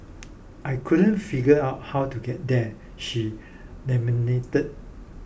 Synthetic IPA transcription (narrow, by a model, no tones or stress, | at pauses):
ʔajkʰudə̃nfiɡəaʊt̚hawtuɡɛt̚dɛ | ʃi | nɛ̃minetət̚